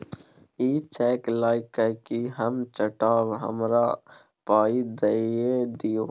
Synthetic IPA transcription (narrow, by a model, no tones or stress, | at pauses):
iːt͡ʃɛːklaːɪkəkiɦəmt͡ʃəʈaːwɦə̰mɾa | paːid̪ɐied̪ijoː